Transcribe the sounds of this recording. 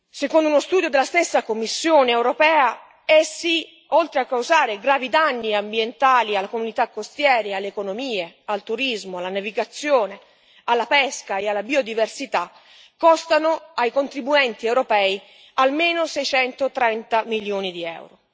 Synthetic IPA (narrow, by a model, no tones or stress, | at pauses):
sekond̪ʊunost̪uːd̪jod̪elːast̪esːakomːisːjoːneːwɾopɛːa | ɛsːi | olt̪ɾeakːawzaːɾeɡɾaːvid̪anːiambjent̪aːlialːakomunit̪akːost̪jɛːɾealːeːkonomiːealt̪uɾizmoalːanaviɡat̪sːjoːne | alːapɛskaealːabiːod̪iversit̪a | kːɔst̪anoajkont̪ɾibuɛnt̪iɛwɾopɛːi | almeːnosɛjt͡ʃɛnt̪ot̪ɾɛnt̪amiljoːnid̪iɛ̰wɾo